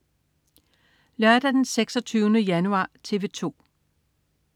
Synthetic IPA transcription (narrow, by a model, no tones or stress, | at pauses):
lœɐd̥æd̥enseɡ̥sɒ̽t͡sʰyːʊnəjænuɑ̈ːt͡sʰe̝ʋe̝t͡sʰo̝̰ː